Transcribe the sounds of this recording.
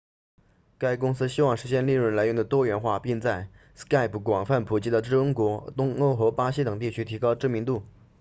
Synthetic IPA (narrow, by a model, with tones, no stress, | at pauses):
ka˥ɪkʊ˥ŋsɹ̩˥ɕi˥wɑ˥˩ŋʂɻ̩˧˥ɕjɛ˥˧nli˥˧ɻə˥˩nla˧˥ʊ˧˥ŋd̪ə˨t̪wɔ˥ɥɛ˧˥nxwa˥˧pi˥˧ŋt͡sa˥˩ɪ | ska˥˩ɪpʰu˨˩kwɑ˨˩ŋfa˥˩npʰu˨˩t͡ɕi˥d̪ə˨ʈ͡ʂɻ̩˥˩ə˥ŋkwɔ˧˥t̪ʊ˥ŋo˥˩ʊxɤ˧˥pa˥ɕ̬i˥t̪ɤ˨˩ŋt̪̬i˥˩t͡ɕʰy˥t̪ʰi˧˥kɑ˥ʊʈ͡ʂɤ˥˩mi˧˥ŋt̪u˥˩